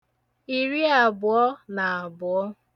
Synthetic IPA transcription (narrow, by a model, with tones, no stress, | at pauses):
i˨ɾi˦a˨bʊ˨ɔ˦na˨a˨bʊ˨ɔ˦